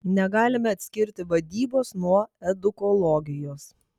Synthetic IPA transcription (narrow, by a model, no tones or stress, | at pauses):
nʲɛɡɑːlʲɪmʲɛɐt̪ʲsʲkʲɪɾʲt̪ʲɪʋɐd̪ʲiːboːsnuɔɛd̪ʊkɔlˠoːɡʲɪjoːs